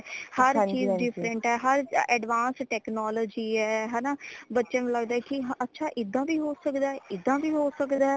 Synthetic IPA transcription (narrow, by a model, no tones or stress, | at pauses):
həɾt͡ʃiːɖɪpʰɾəɳʈɛːɦəɾɛːɖʋãːnsʈɛːknaːloːd͡ʒiːɛːɦɛ̃ːnaːbətːʃeːnũləɡd̪aːɛkɪɦətːʃʰaːʔɪd̪ːãːʋiːɦoːsəkd̪aːɪd̪ːãːʋiːɦoːsəkd̪aːɛ